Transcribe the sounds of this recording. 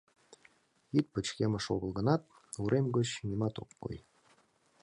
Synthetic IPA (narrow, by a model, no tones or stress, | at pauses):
it̪̚pə̆t͡ɕkʲemə̆ʃoɣə̆lˠɣɤ̆nɑt̪̚ | uɾʔemɡot͡ɕnʲimɑt̪o̰kːo̰j